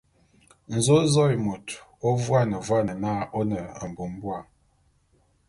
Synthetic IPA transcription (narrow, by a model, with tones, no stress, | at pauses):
n̩˨zo˦zɔ˦i˨mo˨tɔ˦vwa˦nə˨vwa˦˨nə˨na˦ʔɔ˦nə˨ə˨m˨bo˨m˦bwa˦˨ŋ